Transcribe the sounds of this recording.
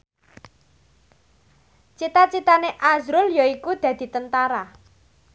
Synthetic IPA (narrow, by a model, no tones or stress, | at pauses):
t͡ʃit̪at͡ʃit̪aneʔazɾʊljoikud̪̥ä̤d̪̥i̤t̪ənt̪aɾa